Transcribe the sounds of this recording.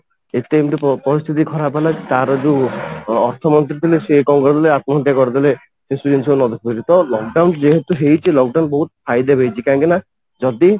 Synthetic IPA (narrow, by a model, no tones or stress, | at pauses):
et̪emt̪eppɔɾist̪ʰit̪̬ikʰɔɾapɦelat̪aɾɔd͡ʒeuɔɾt̪ʰɔmɔnt̪ɾit̪ʰilesekɔŋɡɾɾɔd̪ileat̪̚mɔnt̪jakɔɾid̪ile | sesud͡ʒensionɔd̪ʱikʰbiɾit̪ɔlɔk̚ɖawnd͡ʒeɦet̪uɦejt͡ʃʰilɔk̚ɖawnbɔɦut̪̚pʰajd̪ebʱejt͡ʃʰikaãŋkina | d͡ʒɔd̪i